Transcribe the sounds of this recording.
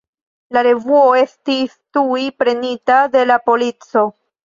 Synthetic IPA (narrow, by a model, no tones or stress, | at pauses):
laɾe̞vuo̞e̞stistujpɾe̞nitade̞lapo̞lit͡so̞